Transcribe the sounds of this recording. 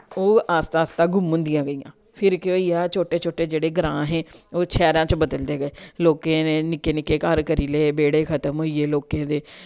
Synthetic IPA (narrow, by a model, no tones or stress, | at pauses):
oːaːst̪aːst̪ãːɡʊmɦʊ̃nd̪ɪjãːɡəiːã̰ː | pʰɪɾkoːiːaːt͡ʃʰoːʈeːt͡ʃʰoːʈeːd͡ʒeːɽeːɡɾãːɦẽːoːt͡ʃʰɛːɾãːt͡ʃbəd̪əld̪eːɡəeːloːkẽːneːnɪkeːnɪkeːkəɾkəɾiːlebeːɽeːkʰət̪əmɦoːiːeːloːkẽːd̪eː